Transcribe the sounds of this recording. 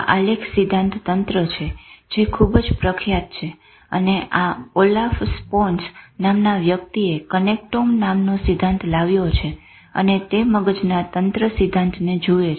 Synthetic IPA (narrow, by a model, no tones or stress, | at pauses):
ʔalekʰsid̪ʱãnt̪ʰt̪ənt̪ɾət͡ʃʰed͡ʒekʰubd͡ʒpɾəkʰjat̪̚t͡ʃʰe | ə̰neʔaolafsponsnamnaʋjək̚t̪iekənek̚ʈomnamnosid̪ʱːãnt̪ʰlaʋjot͡ʃʰe | ə̰net̪eməɡəd͡ʒnat̪ənt̪ɾəsid̪ʱːãnt̪ʰned͡ʒue